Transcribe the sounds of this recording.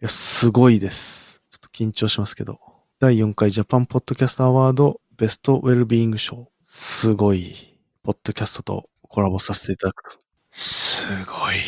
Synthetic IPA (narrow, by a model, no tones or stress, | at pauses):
jasɨɡo̞id̪e̞sɨ̥t͡ɕo̥t̪ːokʲĩɲ̟t͡ɕo̞ːɕimasɨ̥ke̞d̪o̞̰ | d̪̥aijõ̞ŋkaiʑapãmpo̞d̪̥ːo̞kʲasɨ̥t̪aːβaːd̪o̞be̞sɨ̥t̪o̞ʔe̞ɾɯ̟bʲĩːŋɡɯ̟ɕo̞ː | sɨɡo̞i | po̞d̪̥ːo̞kʲasɨ̥t̪o̞t̪o̞̰ | kʰo̞ɾabo̞sase̞̥t̪e̞it̪ad̪akɯ̟̥t̪ḁo | sɨɡoi